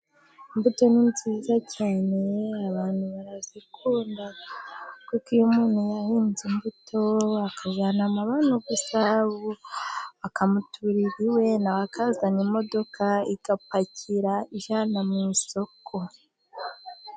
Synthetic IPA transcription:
imbuto̞ninziːzacʰaːne̞aβaːnhuβaɾazikʰuːnda | kukijumuːn̤hujahiːnzimbutʰo̞akaʒanamaβanuɡusaβoβakamutʰuɾiɾiwe̞nawakazanimo̞do̞kʰaiɡ̥apacʰiɾaiʒanamŋiso̞kʰo̞

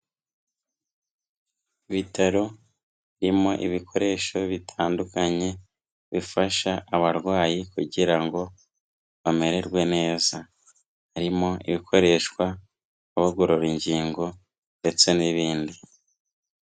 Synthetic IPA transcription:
iβitaɾo̞ | ɾimo̞ʔḭβikʰo̞ɾe̞ːʃo̞βitʰaːndukaɲe̞ | βifaʃaːβaɾɡwaːjikuɟiɾaŋɡo̞ | βame̞ɾe̞ɾɡwe̞ne̞ːza | haɾimo̞ḭβikʰo̞ɾe̞ʃkwa | aβaɡoɾoɾiɲɟiːŋɡo̞ | nde̞t͡se̞niβiːndi

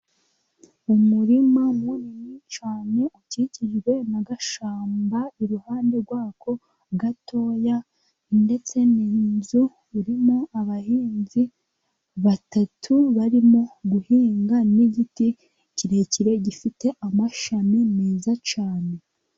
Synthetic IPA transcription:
umuɾimamumiɲit͡ʃaːne̞uciciʒwe̞naɡaʃaːmbaiɾuhaːnde̞ɾɡwaːko̞ | ɡatʰo̞ːja | nde̞t͡se̞niːnzuː | ɾimo̞aβahiːnzi | βatatʰuβaɾimo̞ɡuhiːŋɡaniɟiti | ciɾe̞ciɾe̞ɟifite̞ʔamaʃamineːzat͡ʃaːne̞

